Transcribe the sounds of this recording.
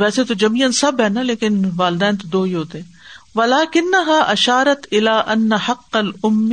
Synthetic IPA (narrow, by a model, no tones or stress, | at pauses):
ʋɛːset̪od͡ʒɐmiːənsɐbɦɛːnɐleːkɪnʋaːlɪd̪ɛ̃ːnt̪̬od̪oːɦiɦoːt̪eɛ̃ːʋɐlaːkɪnːɐɦaːʔɐʃaːɾɐt̪ɪlaːʔɐnːɐħɐqːɐlʊmː